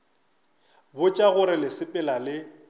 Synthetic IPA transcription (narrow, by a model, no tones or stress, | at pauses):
bʊt͡ʃʼaɣʊɾɪlɪsɪpʼɪlalɪ